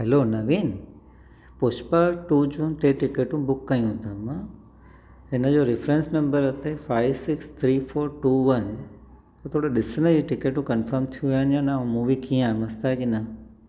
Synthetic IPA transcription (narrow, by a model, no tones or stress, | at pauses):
ɦɛloːnɐʋiːn | pʊʃpəʈuːd͡ʑuːnʈeːʈɪkeːʈũbʊkːɐjũt̪ʰɐmã | ɪnəd͡ʑoːɾɪfɾẽnsnɐ̃mbəɾɐt̪ʰefaːɪʋsɪkst̪ʰɾiːfoːɾʈuːʋɐn | t̪ɐt̪ʰoːɽeɗɪsnəd͡ʑiʈɪkeːʈũkɐnfəɾmt̪ʰijũʋijaːnjãːnãmũʋikĩãːmɐst̪ʰakinɐ